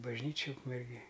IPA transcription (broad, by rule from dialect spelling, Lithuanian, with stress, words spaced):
bɐʒʲˈnʲiːt͡ʃʲɪj ʊkmʲɛrʲˈɡʲeːj